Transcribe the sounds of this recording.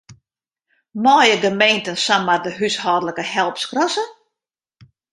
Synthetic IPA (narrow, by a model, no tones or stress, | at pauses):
mɔːjəɡəmejntənsanmardəɦyshɔːdələkəhɛlˠpskrɔsə